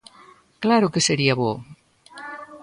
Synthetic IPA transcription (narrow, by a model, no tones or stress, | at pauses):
klaɾukeseɾiaβo